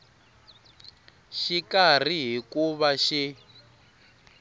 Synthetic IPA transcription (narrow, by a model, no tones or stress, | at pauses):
ʃikar̤iɦikuβaʃi